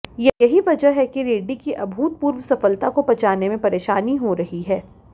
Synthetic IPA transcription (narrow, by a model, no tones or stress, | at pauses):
jejɐɦiʋɐd͡ʒəɦɛkiɾeːɖikiʔɐbʱuːt̪̚puːɾʋsɐfəlt̪akopɐt͡ʃaːnemẽpɐɾeːʃaːniɦoɾɐɦiɦɛː